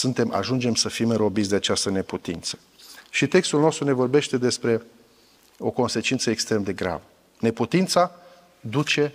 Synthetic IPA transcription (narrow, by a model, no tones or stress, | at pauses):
sunt̪e̞mʔa̰ʒund͡ʒe̞msəfimɨɾo̞bit̪sʲd̪e̞at͡ʃast̪əne̞put̪int̪sə̥ | ʃit̪e̞kst̪ulno̞st̪ɾune̞vo̞rbe̞ʃt̪e̞d̪e̞spɾe̞ | o̞ko̞nse̞t͡ʃint̪səekst̪ɾe̞md̪e̞ɡɾa̰və | ne̞put̪int̪sa | d̪ut͡ʃe̞